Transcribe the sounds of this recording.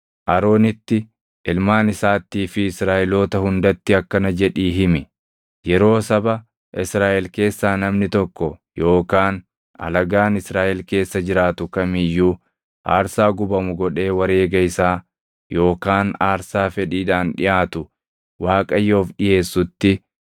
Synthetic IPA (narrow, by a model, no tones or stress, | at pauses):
ʔɐɾo̞ːnɪt̪ːɪ | ʔɪlmaːnɪsaːt̪ːiːfɪːsɾaːʔɪlo̞ːt̪ɐhʊnd̪ɐt̪ːɪɐkːɐnɐd͡ʒɛᶑiːɦɪmɪ | jɛɾo̞ːsɐbɐ | ʔɪsɾaːʔɛlke̞ːsːaːnɐmnɪt̪ɔkːɔjo̞ːkaːn | ɐ̰lɐɡaːnɪsɾaːʔɛlke̞ːsːɐd͡ʒɪɾaːt̪ʊkɐmɪjːuː | ʔa̰ːɾsaːɡʊbɐmʊɡɔᶑe̞ːwɐɾe̞ːɡɐɪsaː | jo̞ːkaːnaːɾsaːfɛᶑiːᶑaːnᶑɪ̰ʔaːt̪ʊ | waːkʼɐjːo̞ːfɗɪje̞ːsːʊt̪ːɪ